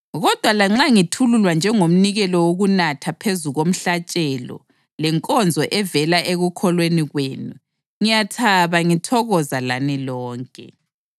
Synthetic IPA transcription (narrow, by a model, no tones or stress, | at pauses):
ɣɔd̥ʱwalaŋ͡ǁaŋitʰululwand͡ʒʱɛŋom̩niɣɛlɔwoɣunatʰapʰezuɣom̩ɬat͡ʃʼɛlɔ̰ | lɛŋkʼɔnd͡zʱɔʔɛvɛlaʔeɣukʰɔlweniɣweːnu | ŋijatʰaβaŋitʰɔɣɔzalanilɔːŋkʼɛ̰